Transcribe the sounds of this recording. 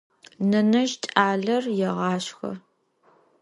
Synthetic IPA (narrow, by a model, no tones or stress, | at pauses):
nɐnɐʒt͡ʃʼaːɮɐrjɛʁɑːɕxɐ̰